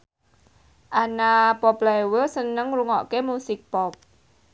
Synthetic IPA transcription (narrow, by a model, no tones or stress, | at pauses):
ʔanapɔplajwəsənəŋruŋɔʔkemusɪk̚pɔp̚